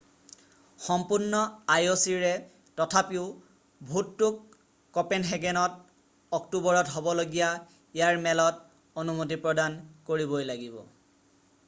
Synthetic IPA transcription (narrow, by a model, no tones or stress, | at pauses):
xɔmpunːɔajosiɹɛ | tɔtʰapiʊ | bʱutːukː | ɔpɛnɦɛɡɛnɔt | ɔktubɔɹɔtɦobɔloɡija | ijaɹmɛlɔt | onumot̬ipɹɔdankoɹibojlaɡibɔ̰